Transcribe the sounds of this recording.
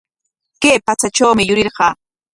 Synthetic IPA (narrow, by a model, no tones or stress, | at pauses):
keːpat͡sat͡ʃawmɪjʊɾɪɾɢɑː